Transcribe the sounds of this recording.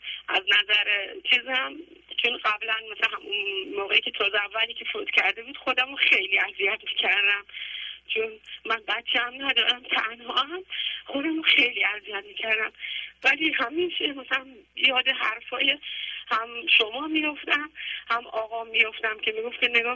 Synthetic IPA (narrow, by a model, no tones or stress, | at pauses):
ʔæznæzæɾet͡ʃʰiːzhæmt͡ʃʰonɢæblænmæsæhæmunmoːʁɣeiːkʲʰe̞t̪ʰɒːzeævːælicʰefot̪cʲʰæɾd̪e̞buːd̪̥xo̞d̪æmoxe̞jliːæzijæt̪micʰæɾd̪æmt͡ʃʰonmænbætt͡ʃʰːeæmnæd̪ɒːɾæmt̪ʰænhɒːæmχo̞d̪æmuxe̞jliːæzijæt̪miːcʰæɾd̪æmvæliːhæminʃʰimæsælæmjɒːd̪e̞ɦæɾfɒːjehæmʃomɒːmijo̞ft̪æmhæmɒːɣɒːmːijo̞ft̪æmcʰe̞miːɡo̞ft̪kʰeneɡɒː